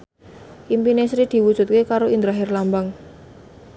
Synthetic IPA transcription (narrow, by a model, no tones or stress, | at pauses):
ʔimpinesɾid̪̥i̤wud̥ʒ̥ṳt̪̚kekaɾoind̪ɾaɦɪrlambaŋ